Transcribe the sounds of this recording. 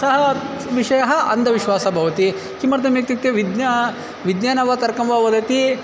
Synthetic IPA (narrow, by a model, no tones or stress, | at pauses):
sɐɦɐ | ʋiʂɐjɐɦɐʔɐnd̪ʱɐʋiʃʋaːsɐbʱɐʋɐt̪i | kimɐɾt̪ɐmjek̚t̪it̪ːeʋid̪nɐ | ʋid̪njaːnɐʋɐt̪ɐɾkɐmʋɐʋɐd̪ɐt̪i